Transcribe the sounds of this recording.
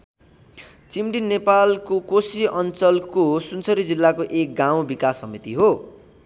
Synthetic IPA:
t͡simɖinːepalkokosiʔʌnt͡sʌlkosunt͡sʰʌɾid͡zilːakoʔek̚ɡaw̃bikasːʌmit̪iɦo

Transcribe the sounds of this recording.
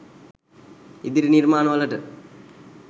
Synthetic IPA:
id̪iɾɨniɾmaːnɐmɐlːɐʈːɨ

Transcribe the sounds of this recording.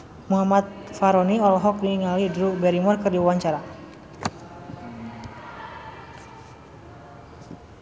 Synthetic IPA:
muɦamat̪̚faɾɔniɔlɔɦɔk̚diiŋalidɾubɛɾimɔrkɨrdiwewaɲt͡ʃaɾa

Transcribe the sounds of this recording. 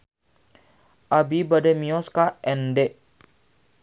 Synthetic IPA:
ʔabibademiɔskaɛndɛʔ

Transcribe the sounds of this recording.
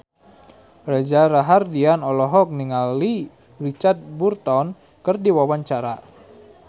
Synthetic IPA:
rad͡ʒaɾaɦardianɔlɔɦɔk̚niŋali | rit͡ʃart̪̚burt̪ɔn | kərdiwawaɲt͡ʃaɾa

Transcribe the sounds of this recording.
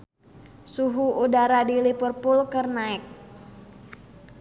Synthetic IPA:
suɦuudaɾadilipərpʊlkərnaɛk̚

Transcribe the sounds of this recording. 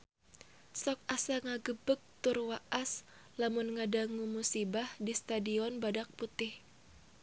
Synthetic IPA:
sɔk̚ʔasaŋaɡəbək̚t̪ʊrwaʔas | lamʊnŋadaŋumusibahdist̪adiɔnbadak̚put̪ɪh

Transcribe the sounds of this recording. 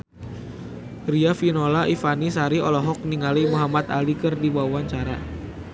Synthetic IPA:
riafinolaʔifanisaɾiɔlɔɦɔk̚niŋalimuɦamat̪alikɨrdibawaɲt͡ʃaɾa

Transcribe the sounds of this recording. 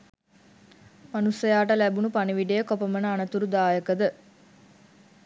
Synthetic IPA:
manusəjaːʈəlæbunupaniʋiɖejəkopəmənəanət̪uɾud̪aːjəkəd̪ə

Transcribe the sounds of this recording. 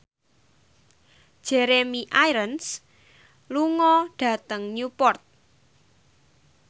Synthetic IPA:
d̥ʒ̥ɛɾemiʔajɾəns | luŋɔɖ̥ä̤t̪əŋnupɔrt̪̚

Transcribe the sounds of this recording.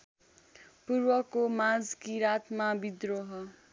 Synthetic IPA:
purwʌkomãd͡zkiɾat̪mabid̪roɦʌ

